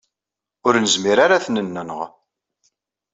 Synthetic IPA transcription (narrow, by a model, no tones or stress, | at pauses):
ʊɾnəzmiɾaɾaθnənːənəʁ